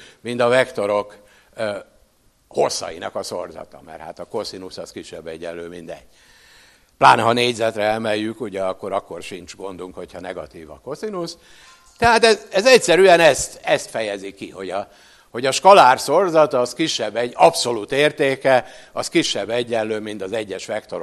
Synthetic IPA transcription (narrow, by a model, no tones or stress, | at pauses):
mind̪ɒvɛkt̪o̞ɾo̞k | ho̞̰sːɒ̰jḭnɒkɒso̞̰rzɒ̰t̪ɒ̰mɛ̰rha̰ːt̪ɒko̞sinusɒskiʃːɛbːɛɟːɛ̰lːøːmind̪ɛ̰ɟ̥ː | pla̰ːnɦɒneːɟzɛt̪rɛɛmɛjːykuɟɛɒkːo̞ɾɒkːo̞rʃint͡ʃɡo̞nd̪uŋkho̞chɒnɛɡɒ̰t̪iːvɒ̰ko̞sinus | t̪ɛɦaːt̪ɛzɛzɛcsɛɾyɛnɛst̪ɛst̪fɛjɛzikiho̞ɟɒ | ho̞ɟɒʃkɒlaːrso̞rzɒt̪ɒskiʃːɛbːɛɟːɒpso̞luːt̪eːrt̪eːkɛɒskiʃːɛbːɛɟːɛnløːmint̪ɒzɛɟːɛʃʋɛkt̪o̞ɾ